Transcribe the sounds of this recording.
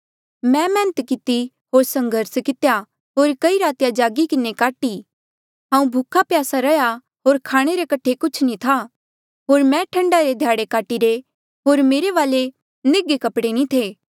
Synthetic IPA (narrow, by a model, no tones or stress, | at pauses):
mɛ̃mɛ̃ːnət̪kɪt̪i | ɦoːɾsɐ̃ŋɡʱəɾskɪt̪ja | ɦoːɾkɐiɾaːt̪ɪjad͡ʒaːɡikɪnekaːʈi | ɦãːũbʱukʰapjaːsaɾɐja | ɦoːɾkʰaːɽ̃eɾekɐʈʰːekʊt͡ʃʰnĩt̪ʰa | ɦoːɾmɛ̃ʈʰɐ̃ɳɖaɾed̪ʱjaːɽekaːʈiɾe | ɦoːɾmeːɾeʋaːle | nɪɡekɐpɽenĩt̪ʰeː